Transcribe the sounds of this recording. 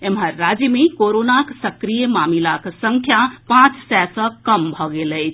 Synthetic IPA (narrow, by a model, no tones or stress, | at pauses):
emɦəɾːad͡ʒjəmekoɾonaksəkɾijəmamilaksəŋkʰjapãt͡ʃsɛsə̃kəmbʱɔɡeləjt͡ʃʰ